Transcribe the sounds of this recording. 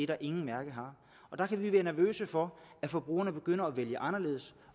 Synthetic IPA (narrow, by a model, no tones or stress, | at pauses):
e̝ɾ̥ɑ̈ʔe̝ŋn̩mæɐɡ̥əɦɑ̈ | ɒ̽d̥ɑ̈kʰæʋiʋæːɐnæɐʋø̰ːsəfɒ̽æfɒ̽b̥ʁṵːɐnəb̥e̝ɡ̥øn̰ɐɒʋeljəʔɑ̈nɐle̝ːð̞̩ˠs